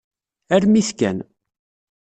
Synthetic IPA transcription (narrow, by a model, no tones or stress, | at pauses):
æɾmiθkæ̰n